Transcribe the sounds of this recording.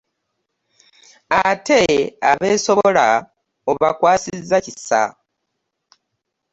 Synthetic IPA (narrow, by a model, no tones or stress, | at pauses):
ateaβeːso̞βola | oβakwaːsizːacisa̰